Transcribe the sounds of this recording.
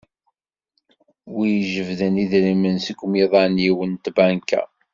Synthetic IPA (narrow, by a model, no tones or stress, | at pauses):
wijʒəvðəniðɾimənsəkʷːmiðˤɑnjiwənt̪bæŋkæ̰